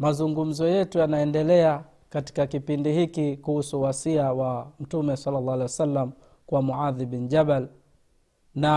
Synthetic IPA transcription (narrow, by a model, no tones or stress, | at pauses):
mazuŋɡum̩zɔjɛtujanaɛndɛlɛa | kati̥kakipindihikikuhusuwasiawam̩tumɛsalːɑlːɑːhalɛwasalːam̩ | kwamuʕaðibind͡ʒabal | na